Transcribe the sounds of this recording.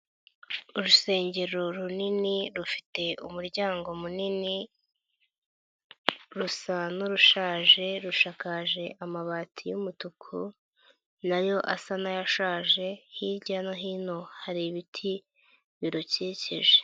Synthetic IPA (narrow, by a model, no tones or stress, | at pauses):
uɾuse̞ːɲɟe̞ɾoɾuniniɾufi̥te̞umuɾɟaːŋɡo̞munini | ɾusanuɾuʃaːʒe̞ɾuʃakaʒe̞ʔamaβaːtʰijumutukʰu | najo̞ʔasanajaʃaːʒe̞hiɾɟanoɦino̞haɾiβitʰi | βiɾoceːceʒe̥